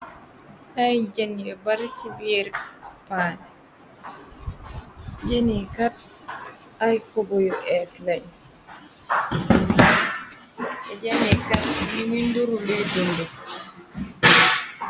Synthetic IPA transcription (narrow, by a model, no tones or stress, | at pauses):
ajd͡ʒaniɛbaɾt͡ʃibiɾpanɛ | d͡ʒenikat | ajkɔɡɔjɔʔɛslaj | ɛd͡ʒanikalniminduɾulidundɛ